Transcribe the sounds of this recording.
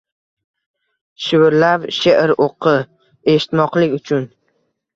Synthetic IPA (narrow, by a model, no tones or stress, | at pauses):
ʃɪwɪɾlapʃeʔɪɾoqʰɨ | e̞ʃɪ̥t̪mɒqlɪkʲʊt͡ʃʰʊn